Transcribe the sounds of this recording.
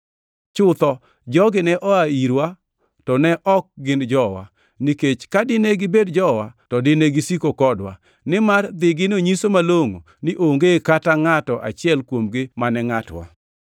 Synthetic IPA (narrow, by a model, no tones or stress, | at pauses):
t͡ʃʊt̪ɔ | d͡ʒɔɡɪnɛʔɔaiɾwa | tɔnɛʔɔk̚ɡɪnd͡ʒɔwa̰ | niket͡ʃkadɪneɡɪbedd͡ʒɔwatɔdɪneɡɪsikokɔdwa̰ | nɪmard̪ɪɡɪnoɲisomaloŋo̰ | nɪʔoŋɡekataŋatɔʔa̰t͡ʃɪɛlkwomɡɪmanɛŋatwa̰